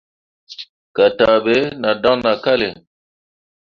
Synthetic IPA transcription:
ka˨ta˨be˦na˨da˦ŋna˨ka˦le˨

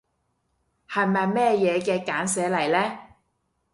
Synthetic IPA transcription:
hɐ˨jmɐ˨jmɛː˥jɛː˨˧kɛː˧kaː˨˥nsɛː˨˥lɐ˨˩jlɛː˥

